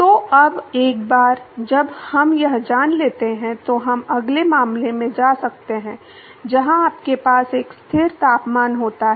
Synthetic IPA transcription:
t̪oɐbeːk̚baːɾd͡ʒɐbhɐmjɐɦd͡ʒaːnleːt̪eɦɛ̃t̪oɦɐmɐɡlemaːmlemẽd͡ʒaːsɐk̚t̪eɦɛ̃ | d͡ʒɐɦãaːp̚kepaːseːkst̪ʰɪɾt̪aːpmaːnɦoːt̪aɦɛ

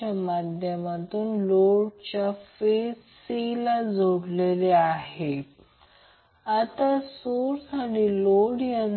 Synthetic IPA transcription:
amad̪ʱjəmat̪uːnloɽt͡ɕjafesilad͡zʱoɽleleaɦe | at̪asoɾsaʈiːloɽjan

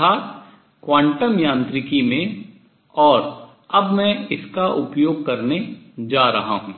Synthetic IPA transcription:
a | kʋãːɳʈəmjãːnt̪ɾɪkimẽ | ɔːɾ | ɐbmɛ̃ɪskaʔʊpjoːɡ̚kɐɾned͡ʒaːɾɐɦa̰ɦũː

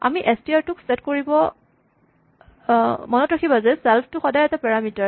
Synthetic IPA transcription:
a̰miʔɛstiaɹtʊksɛtkoɹibɔ | mɔnɔtɹakʰibazɛsɛlpʰtʊxɔdajɛtapɛɹamitaɹ

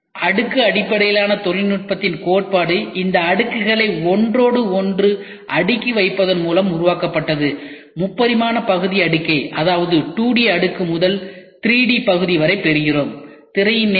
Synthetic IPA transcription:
ʔɐɽɯkːɯɐɽɪpːɐɽɐjɪlaːnɐt̪ɔɻɪnʈ̚pɐt̪ːɪnkoːʈ̚paːɽɯʔɪnd̪ɐːɽɯkːɯɣɐɭɐɪɔndroːɽɯɔndrɯ | ʔɐɽɯkːiʋɐɪpːɐðɐnmuːlɐmʊɾɯʋaːkɐpːɐʈːɐðɯ | mʊpːɐðɪmaːnɐpɐɣɯðɪɐɽɯkːɐɪʔɐðaːʋɐðɯʈuːɽɪjɐɐɽɯkːɯmʊðɐlt̪ɪɾiːɽipɐɣɯðɪʋɐɾɐɪpːɛɾɪjɪroːm | t̪ɪɾɐjɪn

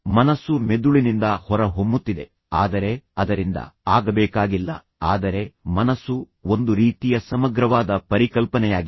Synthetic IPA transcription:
mɐnɐsːume̞d̪uɭinind̪ɐhɔɾɐɦomːut̪ːid̪e̞ | aːd̪ɐɾe̞ɐd̪ɐɾind̪ɐ̰aːɡɐbɛːkaːɡilːɐ̰ | aːd̪ɐɾe̞mɐnɐsːu | o̞nd̪uɾiːt̪ijɐsɐmɐɡɾɐʋaːd̪ɐpɐɾikɐlpɐnɛjaːɡi

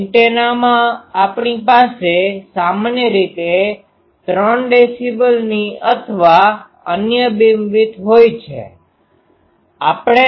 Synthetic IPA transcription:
ʈenamãapɳipasesamanjəɾit̪e | t̪ɾəɳɖesibəlniət̪ʰʋa | ə̰njəbimʋit̪ɦojt͡ʃʰḛ | apɽ̃e

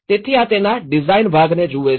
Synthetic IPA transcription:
t̪eːt̪ʰːiãːt̪eːnãːɖɪzaːɪnbʱaːɡneːd͡ʒuːʋeː

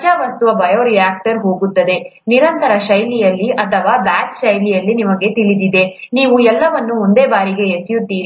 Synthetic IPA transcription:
d͡ʒaːʋɐst̪uʋɐbɐjoːɾijaːk̚ʈɐɾɦo̞ːɡut̪ːɐd̪e̞ | niɾɐnt̪ɐɾɐʃɐjlijɐlːiʔɐt̪ʰɐʋaːbaːt͡ʃʃɐjlijɐlːinimɐɡe̞t̪ilid̪id̪e̞niːʋuɛlːɐʋɐnːuond̪eːbaːɾiɡe̞esijut̪ːiːɾ

